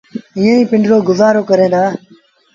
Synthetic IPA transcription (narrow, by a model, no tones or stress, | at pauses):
ĩːə̃ːĩːpɪ̃ɳɖɾoːɡʊzaːɾoːkəɾẽːd̪aː